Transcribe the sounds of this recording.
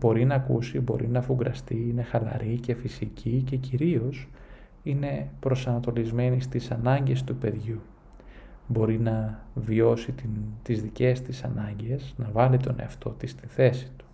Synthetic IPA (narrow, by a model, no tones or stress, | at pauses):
bo̞ɾinɐkṵsibo̞̰ɾʔinɐfuɡɾɐst̪iine̞xɐlɐ̰ɾʔice̞fisicʰice̞ciɾio̞s | ine̞pɾo̞sɐnɐt̪o̞lizme̞nist̪isɐnɐɲɟe̞st̪upe̞ðʝu | bo̞ɾinɐvio̞sit̪it̪izðice̞st̪isɐnɐɲɟe̞snɐvɐlit̪o̞ne̞̰ɐft̪o̞t̪ist̪iθe̞si̥t̪u̥